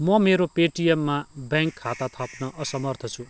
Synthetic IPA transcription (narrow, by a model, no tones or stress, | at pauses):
mʌmeɾopeʈijemːabjãŋkʰːat̪at̪ʰʌpnʌʔʌsʌmʌrt̪ʰʌt͡sʰu